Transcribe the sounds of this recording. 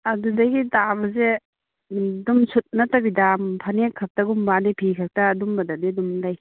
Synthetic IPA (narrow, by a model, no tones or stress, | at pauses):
ɐdudaɡitabɐze | dumsut̚natabidampʰanekʰːak̚taɡumbadipʰikʰak̚taːdumbɐdadidumlaj